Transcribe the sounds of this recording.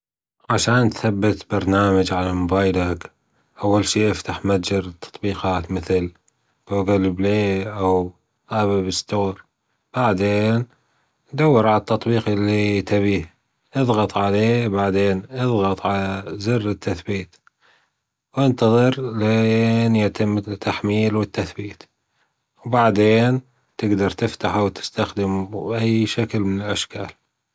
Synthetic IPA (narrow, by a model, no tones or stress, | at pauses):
ʕaʃaːnt̪θabːɪt̪bɑɾˤnaːmad͡ʒʕalamʊbaːjlak | ʔawːalʃiːʔɪft̪aħmad͡ʒɑɾt̪ʰːɑ̥t̪ˤbiːqɑːt̪mɪθl | b̥oɡalbleːʔaw | ʔaβɪbɪst̪oːɾ | b̥aʕd̪eːn | d̪awːɪɾʕalat̪ːɑt̪ˤbiːqʔɪlːit̪aβiːh | ʔɨðˤɣɑt̪ˤʕaleːbaʕd̪eːnʔɨðˤɣɑt̪ˤʕalazɪrːɪt̪ːaθbiːt̪ | wɪnt̪ɑðˤɨɾlenjat̪ʰɪmːt̪ʰːaħmiːlwɪt̪ːaθbiːt̪ | wbaʕd̪eːn | t̪ɪɡd̪ɑɾˤt̪ɪft̪aħawt̪ʰɪ̥st̪axd̪ɪmʔajːʃaklmɪnɪlʔaʃka̰ːl